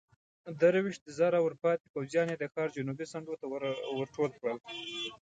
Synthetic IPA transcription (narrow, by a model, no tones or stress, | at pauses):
d̪əɾwiʃt̪̚zɑɾawəɾpɑt̪ipawzjɑned̪əxɑɾd͡ʒʊnubisaɳɖot̪awəɾʈolkɽəl